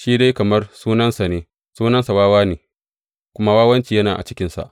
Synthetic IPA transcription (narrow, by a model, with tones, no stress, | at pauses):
ʃiː˦da˦jkɐ˨mɐ˦rsuː˦nɐ˦nsa˨neː˨ | suː˦nɐ˦nsa˨waː˦waː˦neː˨ | kʷʊ˦ma˦waː˦wɐ˦nt͡ʃiː˨jɐ˦naː˨ʔa̰˨t͡ʃɪ˦kʲɪ˦nsa̰˨ʔ